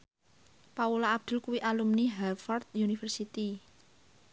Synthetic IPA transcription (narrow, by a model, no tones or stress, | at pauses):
paulaːb̚d̪̥ʊ̤lkuwiʔalumniɦɛlfɔrd̪̚junifərsit̪i